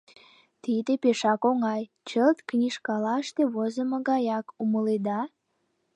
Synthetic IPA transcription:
t̪id̪epeʃɑkoŋɑj | t͡ɕəlt̪knʲiʃkɑlɑəʃt̪eβozəməɣɑjɑkuməled̪ɑ

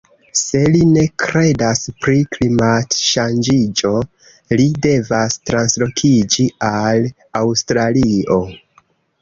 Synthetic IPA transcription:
se̞line̞kɾe̞daspɾiklimatʃand͡ʒid͡ʒo̞ | lide̞vastɾanslo̞kʰid͡ʒial | awstɾalio̞

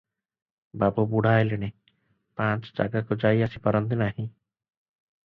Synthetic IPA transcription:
babobuɽ̤aelene | pãt͡ʃd͡ʒa̰ɡakud͡ʒajasipaɾɔnt̪inaɦĩ

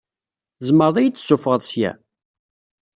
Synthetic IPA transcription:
zˤməɾðˤæjit͡s̪ːsːufəʁəðˤsjæ̰

